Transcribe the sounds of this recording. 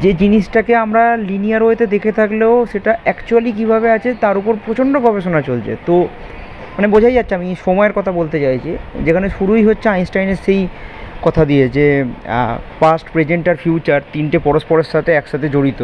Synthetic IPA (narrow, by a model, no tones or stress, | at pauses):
d͡ʑed͡ʑiniʃʈakeamɾalinijaɾoet̪ed̪ekʰet̪ʰakleoʃeʈaɛkt͡ɕualik̬ibʱaβeat͡ɕʰet̪aɾupoɾpɾot͡ɕʰoɳɖoɡʱɔbeʃonat͡ɕolt͡ɕʰḛt̪o | manebod͡ʑʱajd͡ʑatːɕʰiamiʃɔmɔeɾkɔt̪ʰabolt̪et͡ɕajt͡ɕʰid͡ʑekʰaneʃuɾuijɦotːʰeajnsʈajneɾʃejkɔt̪ʰad̪ied͡ʑḛ | pasʈpɾed͡ʑeɳʈaɾfjut͡ɕaɾt̪inʈepɔɾospoɾeʃːat̪eɛkʃat̪ʰed͡ʑoɽit̪o